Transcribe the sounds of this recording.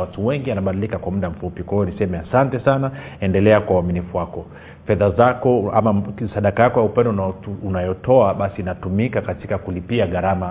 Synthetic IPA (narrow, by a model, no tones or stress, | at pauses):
watuwɛŋɡianaɓaɗilikakwamuɗam̩fupikwahijɔnisɛmɛasantɛsana | ɛndɛlɛakwawaminifuwakɔ | fɛðazakɔa̰masaɗakajakɔjaupɛndɔnunajɔtɔaɓasiːnatumikakatikakulipiaɣaɾama